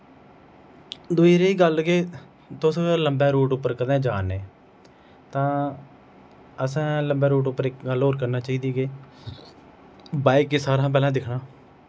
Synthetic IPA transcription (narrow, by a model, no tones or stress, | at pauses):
d̪uiːɾeːiːɡəlɡeː | t̪ʊsõləmbɛːɾuːʈʊpːəɾkəd̪ẽːd͡ʒaːneː | t̪ãː | əsãːləmbɛːɾuːʈ̬ʊpːəɾɪkɡəlɦoːɾkəɾnaːt͡ʃaːiːd̪iːɡeː | baːikesaːɾãːp̬ɛːlãːd̪ɪkʰɳaː